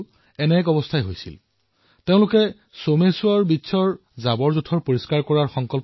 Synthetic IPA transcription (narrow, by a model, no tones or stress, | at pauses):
ɛnɛkɔbɔstʰajɦojsḭl | teʊ̃lʊkɛ | somesʊaɹbitːsʰɔɹ | zabɔɹzutʰɔɹpoɹiskaɹkɔɹaɹxɔŋkɔlp